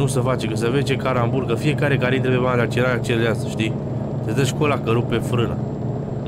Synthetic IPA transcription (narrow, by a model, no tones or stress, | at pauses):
nusəfat͡ʃekəs̬əvet͡ʃe̞kaɾambuɾkəfie̞kaɾekaɾit̪ɾebjead̪at͡ʃenaat͡ʃeleasəʃt̪i | t̪esd̪əʃkolakəɾupefɾɨna̰